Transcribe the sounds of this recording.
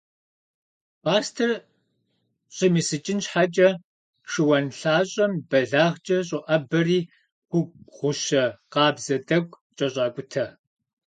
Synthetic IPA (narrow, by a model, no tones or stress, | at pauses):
paːstʰɐr | ɕʼɪmisɨt͡ʃʼɪnɕħat͡ʃʼɐ | ʃɨwɐnɬaːɕʼɐmbɐɮaːʁt͡ʃʼɐɕʼɨʔɐbɐriː | xʷʊʁ̥ʷʊʃɐqɑːbzɐdɐɡʷ | t͡ʃʼɐɕʼɑːkʷʼʊtʰɐ